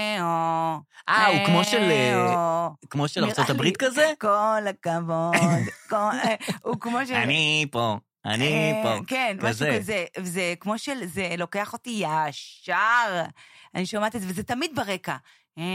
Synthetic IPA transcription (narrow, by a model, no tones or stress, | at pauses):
oʔaukmoʃele | kmoʃelat͡sot̪abʁit̪̚kazekolakavod̪koukmo̞ʃeanipo | a̰nipokenaezevezekmo̞ʃelzelo̞ke̞aχo̞t̪ijaʃaʁaniʃamat̪izevezetamid̪̚beʁeka